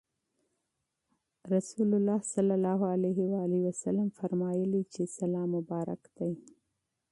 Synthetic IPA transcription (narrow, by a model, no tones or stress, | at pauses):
ɾasulʊlːɑhsalːalɑɦʊalaɦɪwaliwasalamfaɾmɑjəlit͡ʃesalɑmʊbɑɾa̰kd̪aj